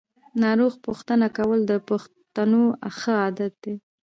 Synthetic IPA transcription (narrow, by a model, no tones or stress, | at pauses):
nɑɾoɣpuxt̪ənakawəld̪əpax | t̪anoaxəɑd̪at̪̚d̪̥e